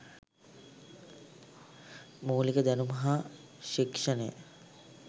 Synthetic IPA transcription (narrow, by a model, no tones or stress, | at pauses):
muːlikəd̪ænumɐɦa | ʃikʂənəjə̰